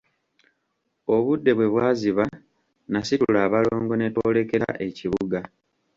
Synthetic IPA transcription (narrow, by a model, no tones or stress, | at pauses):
o̞βudːe̞βwe̞βwaːziβa | nasitulaːβaloːŋɡo̞ne̞to̞ːle̞ke̞ɾa̰ʔe̞ciβuɡa